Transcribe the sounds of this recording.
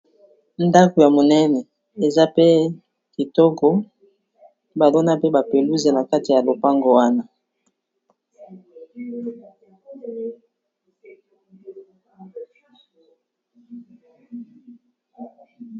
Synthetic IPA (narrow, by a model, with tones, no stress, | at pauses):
nda˦ko˨ja˨mo˨nɛ˦nɛ˨ | e˨za˦pe˦ | ki˨to˦ko˨ | ba˨lo˦na˦pe˦ba˨pe˨lu˦ze˨na˨ka˦ti˨ja˨lo˨pa˦ŋɡo˨a˦na˨